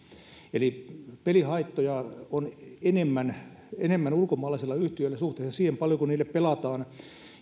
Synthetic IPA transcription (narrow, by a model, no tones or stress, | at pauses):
elipelihɑit̪ːojɑonenemːæn | enemːænulkomɑːlɑiselːɑyht̪iølːæsuht̪eːsɑsiːhempɑljokunniːlːeppelɑt̪ɑːn